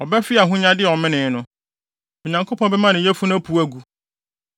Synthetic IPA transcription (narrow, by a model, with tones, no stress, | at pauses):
ɔ˨bɛ˦fɪ˦a˨ɦʊ̃˦ɲã˦dɪ˦˨ɔ˨mɪ̃˦nɪ̃˨˦nʊ̃˨ | i˨ɲã˨ŋkʰo˦pʰɔ̃˦bɛ˦mã˦nɪ̃˨jɛ˦fu˦næ˦pʰu˨˦æ˨ɡu˦